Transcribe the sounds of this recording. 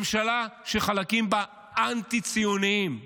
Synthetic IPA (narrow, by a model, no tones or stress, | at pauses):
mʃalaʃeχalakimba | ʔant̪it͡sijuniim